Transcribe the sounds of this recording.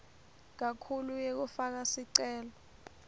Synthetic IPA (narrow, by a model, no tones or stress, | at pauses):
k̬akʰulujek̬ufak̬asiǀɛːlɔ